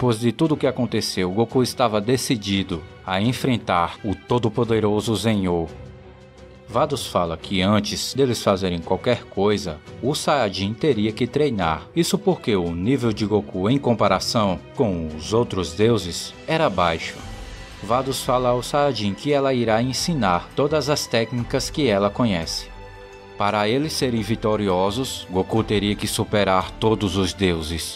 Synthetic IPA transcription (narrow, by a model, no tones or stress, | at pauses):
pojzd̪ɪt̪ud̪ʊkɪakõnt̪esewɡokuɪst̪avɐd̪esid͡ʒid̪ʊ | aẽfɾẽnt̪aɾʊt̪od̪ʊpod̪eɾozʊsẽɲoɾ | vad̪ʊsfalɐkʰɪɐ̃nt͡ʃɪz̥d̪elɪsfazeɾẽj̃kwawkɛɾkojzɐʊsaad͡ʒĩt̪eɾiɐkɪt̪ɾejna̰ɾisʊpoɾkeʊnivewd͡ʒɪɡokuẽj̃kõmpaɾasɐ̃w̃kõw̃ʊzowt̪ɾʊzd̪ewzɪsɛɾɐbajʃʊ̥ | vad̪ʊsfalɐːwsaad͡ʒĩkɪɛlɐiɾaẽsĩnaɾt̪od̪ɐzɐst̪ɛknikɐskɪɛlɐkõɲɛsɪ̥ | paɾɐelɪsːeɾẽj̃vit̪oɾiɔzʊsɡokut̪eɾiɐkɪsupeɾaɾt̪od̪ʊzʊzd̪ewzɪs